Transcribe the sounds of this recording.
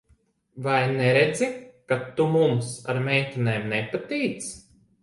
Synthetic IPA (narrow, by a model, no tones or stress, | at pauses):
vajnɛɾed̪zikat̪ːumumsaɾmɛjt̪ineːmnɛpat̪ijt̪s